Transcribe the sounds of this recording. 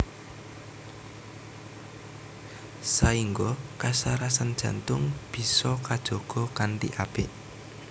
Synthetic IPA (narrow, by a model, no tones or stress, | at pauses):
saiŋɡɔkasaɾasand̥ʒ̥a̤nt̪ʊŋb̥i̤sɔkad̥ʒ̥o̤ɡ̥ɔ̤kand̪ḭʔab̥ɪʔ